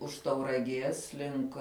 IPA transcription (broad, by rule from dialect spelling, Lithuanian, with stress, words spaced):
ʊʃ tɐʊrɐˈɡʲeːs ˈlʲɪŋk